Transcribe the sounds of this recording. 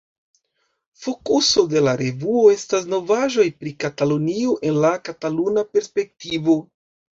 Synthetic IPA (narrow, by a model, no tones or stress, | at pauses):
fo̞kuso̞de̞laɾe̞vuo̞e̞stas̬no̞vaʒo̞jpɾikatalonioʔe̞nlakatalunape̞ɾspe̞k̚tivo̞